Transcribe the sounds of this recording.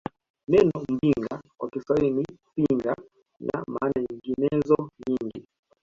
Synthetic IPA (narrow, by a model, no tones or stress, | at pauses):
nɛnɔm̩biŋɡawa̰kisainipiŋɡa | na̰maːnaiŋɡinɛzɔɲiŋɡi